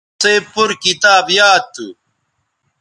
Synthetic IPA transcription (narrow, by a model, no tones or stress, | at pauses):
seːpuɾkit̪aːbjaːt̪ːu